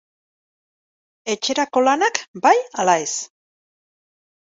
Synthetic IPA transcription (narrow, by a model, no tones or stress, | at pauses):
e̞t͡ʃe̞ɾako̞lanakbajalae̞s